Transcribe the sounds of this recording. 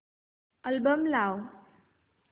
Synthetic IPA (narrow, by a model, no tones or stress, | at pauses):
əlbəmlaw